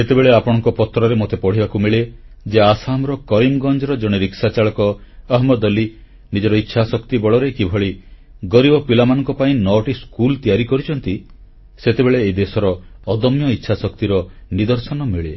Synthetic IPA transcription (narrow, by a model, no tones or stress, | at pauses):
et̪ebeɭeapɔɽ̃ɔŋkɔpɔt̪ɾɔɾemot̪epɔɽ̤ibakumiɭe | d͡ʒeasamɾɔkɔɾimɡɔnd͡ʒɔɾɔd͡ʒɔɽ̃eɾiksat͡ʃaɭɔkɔːɦmɔd̪ɔli | nid͡ʒɔɾɔitːʃʰasɔkt̪ibɔɭɔɾekibʱɔɭi | ɡɔɾibɔpilamanɔ̃ŋkɔpaĩnɔʈiskult̪ijaɾikɔɾit͡ʃʰɔnt̪i | set̪ebeɭeːid̪esɔɾɔːd̪ɔmjɔitːʃʰasɔkt̪iɾɔnid̪ɔɾsɔnɔmiɭe